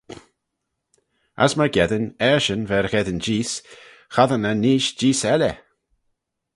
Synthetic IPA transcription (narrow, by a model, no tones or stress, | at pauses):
a̰sməɡɛðənɛɹʃənvɛɹɣɛðənd͡ʒiːs | xaðənəniːʃd͡ʒiːsɛlɛ